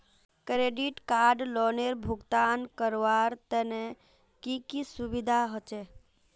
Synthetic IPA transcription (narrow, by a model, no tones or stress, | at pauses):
kɾeɖiʈkaːɾɖlɔːneɾbʱuɡt̪ankəɾʋaɾt̪əne | kikisubid̪ʱaɦɔt͡ʃe